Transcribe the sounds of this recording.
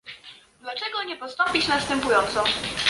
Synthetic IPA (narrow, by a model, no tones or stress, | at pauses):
d̪lat͡ʂɛɡɔɲɛpɔst̪ɔmpʲit͡ɕnast̪ɛmpujɔnt̪sɔ